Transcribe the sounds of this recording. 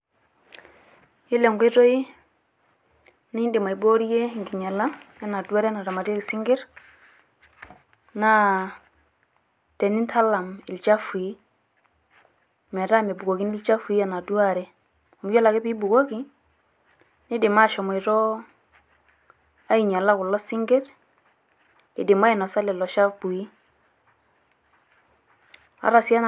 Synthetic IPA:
ji˦le˨ŋɡʷe˦to˦ji˦ | ni˦i˦ndi˨ma˨i˨bo˦ɾi˦je˦˨ŋɡi˨ɲa˨la˦ja˦na˨du˦a˦ɾe˦na˨ɾa˨ma˨ti˦ki˨si˦ŋɡi˦ɾ | na˦ | te˨nːi˦ntʰa˦la˨mi˨lt͡ʃa˦fi˨˦ | mɛ˨ta˦mɛ˨bu˨ko˨ki˦ni˦lt͡ʃa˦fu˨i˦a˨na˨du˦a˦˨ɾɛ˦ | ɔ˨mu˦jɔ˦la˨kɪ˦pi˦bu˨ko˦ki | nɪ˦dɪ˨ma˦ʃɔ˨mɔ˨ɪ˨tɔ˦ | a˦i˨ɲa˨la˦kʊ˨lːɔ˦sɪ˦ŋɡɪ˦ɾ | ɪ˨dɪ˨ma˦ɪ˨na˨sa˦lɛ˨lɔ˨ʃa˦fbu˨i˦ | a̰˨ɾa˨sa˦n

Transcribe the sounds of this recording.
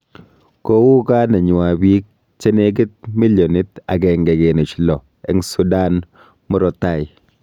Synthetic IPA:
ko˦wu˦ka˦na˨ɲʊ˨a˨bi˦k̚ | t͡ʃe˦ne˦ɡ̬ɪ˦t̚mi˦ljo˨ni˦ta̰˨kɛ˨ŋɡɛ˨ɡe˨nɔ˨t͡ʃlɔ˨ | ɛ˦ŋsu˦da˦n | mʊ˦ɾɔ˨ta˦˨ɪ˨

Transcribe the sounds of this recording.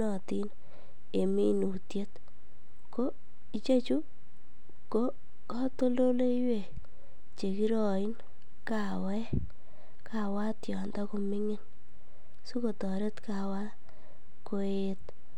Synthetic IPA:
nɔ˨ti˦n | e˨mi˦nu˨tje˦t | ko˦ | i˨t͡ʃe˦t͡ʃu˦ | ko˦ | kɔ˦to˦lo˦le˦jwe˨ | t͡ʃe˨ki˦ɾɔ˨ɪ˦n | ka˨wɛ˦ | kʰa˨wa˦tjɔ˨nda˦ku˧mɪ˦ŋɪ˦n | su˦ko˨tɔ˨ɾe˦tka˨wa˦ | ko˧˦e˦t

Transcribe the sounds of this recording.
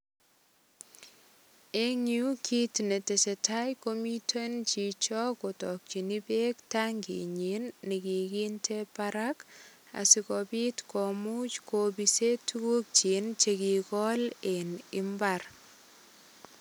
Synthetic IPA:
e˦ŋju˦kʰi˦tne˨tɛ˨sɛ˨ta˦jko˦mi˦tʰo˦nt͡ʃi˨t͡ʃɔ˦kɔ˨tɔ˨k̚t͡ʃi˨ni˦be˦ktaŋɡḭ˨ɲe˨˦nːɪ˨ki˨ɡi˦ntʰe˦paɾaka̰˨sɪ˨kɔbi˦tkɔ˨mu˦t͡ʃkobise˦tu˦ku˦k̚t͡ʃi˨nt͡ʃe˨ki˨kɔ˦lenɪ˦mbaɾ

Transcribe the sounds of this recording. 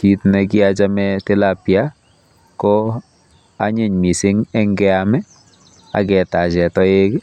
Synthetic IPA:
kitnɛ˨kɪ˦at͡ʃa˦mɛtɪ˦la˨pja˦ | kɔ˦ | a˦ɲe˨ɲmi˨sɪ˦ŋɛ˦ŋɡɛ˦amɛ˦ | a̰˨kɛ˨ta˨t͡ʃɛ˨tɔ˦e˦k

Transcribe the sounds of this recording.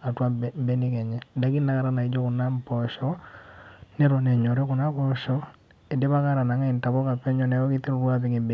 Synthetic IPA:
a˨twa˦˨mbɛ˦nɪ˦kɛ˨ɲɛ˨da˨˦ki˦na˦ka˨ɾa˦na˨i˨˦d͡ʒɔ˦kʊ˨na˦mpɔ˨ʃɔ˦ | ne˦ɾɔ˨nɛ˨ɲɔ˨ɾɛ˦kʊ˨na˦pɔ˦ʃɔ˦ | e˨de˦ba˦ka˦ɾa˨na˨ŋa˦ɪ˨nta˨bɔ˦ka˨pɛ˦ɲɔ˨nɛ˨˦ɔ˦kɪ˦ti˦ɾʊ˨ɾwa˦pɪ˨ŋɪ˨mbe˨

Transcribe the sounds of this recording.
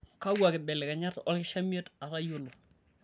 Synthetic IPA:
ka˦wa˨kɪ˨bɛ˨lɛ˨ka˨ɲa˦tɔ̰˦lkɪ˦ʃa˦mi˦e˦ta˨ɾa˦jʊlo˨

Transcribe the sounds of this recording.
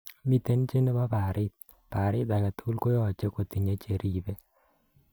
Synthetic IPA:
mi˦˨te˦n˦t͡ʃe˦nɪ˦ba˦pa˨ɾɪ˦t̪̚ | pa˨ɾɪ˦t̪a˨ka˨tu˦lko˦jɔ˨t͡ʃe˦ko˨t̪i˨ɲe˦t͡ʃe˨ɾʔi˨be˦

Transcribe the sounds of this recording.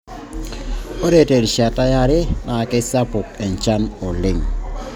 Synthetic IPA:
o˦ɾe˦te˨ɾʃa˨ta˦ja˨ɾɪ˦na˨kɪ˦sa˦pʊ˨kɛ˨nt͡ʃa˦nɔ˨lɪ˦ŋ

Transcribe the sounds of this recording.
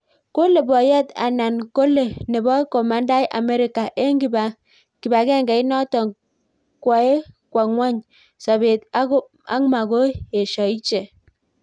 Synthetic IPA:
ko˦le˨bɔ˨jɛ˦ta̰˨na˨nko˦le˨ne˨bɔ˦ko˨ma˦nda˦jʔa̰˨me˦ɾi˦ka˨ʔe˦ŋɡi˦ba˨ | ki˨ba˨ɡɛ˦˨ŋɡɛ˨i˦nɔ˦tɔ˨ŋ | kwa˨e˦kwa˨ŋwʷa˦ɲ | sa˨βe˨t | a̰˦ŋ˦ma˨ɡo˦e˨ʃɔ˨i˦t͡ʃe˨

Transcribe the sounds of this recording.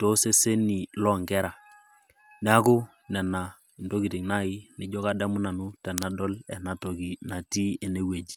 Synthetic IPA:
to˦se˦se˦ni˨lɔ˦˨ŋɡɛ˦ɾa˨ | n˦a˦kʊ˦ | nɛ˨na˨ | ndo˦ki˨tɪ˨ŋna˦˨ɪ˦nɪ˨d͡ʒɔ˦ka˦dɛ˦mʊ˦na˨nʊ˦tɛ˨na˨dɔ˦lɛ˨na˨to˨ki˨na˨ti˦e˨ne˦we˨d͡ʒi̥˨

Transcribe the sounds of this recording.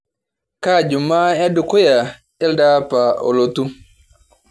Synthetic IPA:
kaː˦˨d͡ʒu˨maː˦ja˦du˨kɔ˦ja˨ | ɛ˦ldaː˦pa˨ʔɔ̰˨lo˦tu˦

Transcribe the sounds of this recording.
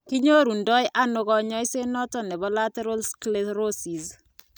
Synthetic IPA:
ki˦ɲo˦ɾu˨ndɔ˦jʔa˦nʊ˨ɡɔ˨ɲɔ˦ɪ˦se˦nɔ˦tɔ˨nɛ˨bɔ˦la˦tɛ˦ɾɔ˦lskleɾo˦si˨z

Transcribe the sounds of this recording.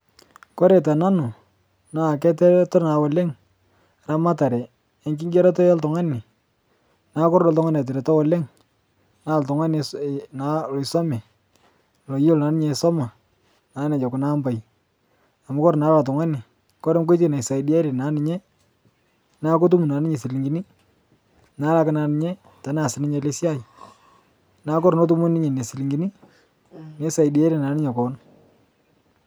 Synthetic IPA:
kɔ˦ɾɛ˨t̬a˨na˦nʊ˨ | na˨k̬ɛ˦tɛ˦tɔ˦rna˨wɔ˨le˦ŋ | ɾa˦ma˦ta˨ɾɛ˨ | e˨ŋkɪ˦ŋɡɛ˦ɾa˦tɔ˦ja˦ltʊ˨ŋa˦nɪ˨ | na˨˦kɔ˦ɾdɔ˨ltʊ˦ŋa˦n˨a˨t̬ɪ˨ɾɛ˨tɔ˦wɔ˨le˦ŋ | na˦˨ltʊ˨ŋa˦nɪ˨sna˨lɔ˨ɪsɔ˦mɛ˨ | lo˨jɪ˦lna˨˦nɪ˦ɲe˨sɔ˦ma˨ | na˨˦nɛ˨d͡ʒɔ˨kʊ˨na˦mba˨j | a˨mʊ˦kɔ˦ɾna˨˦la˨t̬ʊ˨ŋa˦nɪ˨ | kɔ˦ɾɛ˦mk̬o˦t̬e˨na˨sa˨idi˦a˦ɾe˨na˨˦nɪ˨ɲɛ˦ | na˦ko˦t̬u˦mu˨na˨nɪ˦ɲe˨si˨li˨ŋɡi˦ni˦ | na˨˦la˦kɪ˦na˨˧nɪ˨ɲɛ˦ | ta˨˦na˨sɪ˨nɪ˦ɲe˨le˦sja˦˨j | na˦kɔ˦ɾno˦t̬u˦mɔ˦nɪ˦ɲe˨ne˨si˨li˨ŋɡi˦ni˦ | ne˨˦sa˨i˨di˦a˦ɾe˨na˨˦nɪ˦ɲɛ˨kɔ˨n

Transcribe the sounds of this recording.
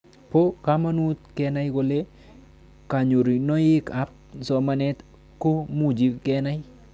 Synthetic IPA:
po˦ka˦ma˦nu˦t̪̚kɛ˧na˦jko˧le˦ | ka˨ɲo˨ɾi˨nɔ˦ɪ˦ka˦p̚sɔ˨ma˦nɛ˦t̪ | ko˦mu˦d͡ʒi˨kɛ˦na˦ji

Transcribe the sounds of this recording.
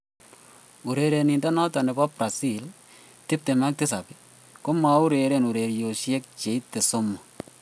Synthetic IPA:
u˨ɾe˨ɾe˨ni˨ndɔ˦nɔ˦tɔ˨nɛ˨bɔ˦pɾa˨si˦l | tɪ˦p̚te˨ma˦k̚tɪ˦sa˨pɪ˨ | ko˦ma˨˦u˦ɾe˨ɾe˨nu˨ɾe˨ɾjo˨ʃjɛ˦k̚t͡ʃe˨i˦t̪e˨so˦mɔ˨

